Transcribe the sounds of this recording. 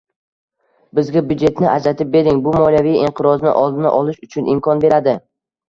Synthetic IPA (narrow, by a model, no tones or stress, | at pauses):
bɪzɡʲabjʊd͡ʒe̞t̪nɪʔad͡ʒɾat̪ʰɪp̚be̞ɾɪŋbʊmɒljavijɪɴqʰɨɾɒznɪ̰ʔɒlˠd̪ɪnaʔɒlˠɪʃʊt͡ʃʰʊnʔɪmkʰɒnbe̞ɾad̪ɪ